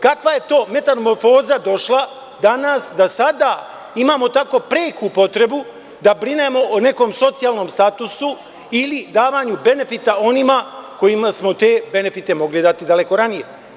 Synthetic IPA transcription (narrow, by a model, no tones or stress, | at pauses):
kakʋaje̞t̪o̞ːme̞t̪anmo̞ɾfo̞ːzad̪o̞ʃlˠa | d̪anasd̪asad̪aː | imaːmo̞t̪ako̞ːpɾeːkupo̞t̪ɾe̞bu | d̪abɾine̞mo̞ʔone̞ko̞ːmso̞t̪sijaːlˠno̞ːmst̪at̪usu | ilid̪aːʋaːɲube̞ne̞fit̪ao̞nimako̞jimasmo̞t̪e̞ːbe̞ne̞fit̪e̞mo̞ɡlid̪at̪id̪ale̞ko̞ɾanije̞